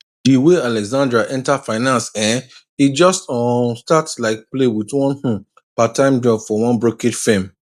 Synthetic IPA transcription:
diwealɛɡzãndɹaʔɛ̃ntafaɪnãnsɛ̃n | id͡ʒɔstɔstatslaɪk̚plewitwɔ̃nhũ | patãɪ̃md͡ʒɔbfɔwɔ̃nbɹoked͡ʒfẽm

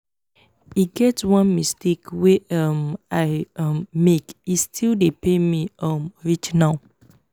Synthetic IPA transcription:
iɡɛtwʌ̃nmistekweʌmaɪʌmmekistʰildepemiʌmɹit͡ʃnaʊ

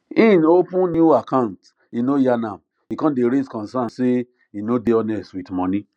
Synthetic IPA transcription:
ĩnopũnnjuakãnt | inojanã | ikɔ̃ndeɾeskɔ̃nsãnse | inodeɔnɛstwitmɔ̃nĩ

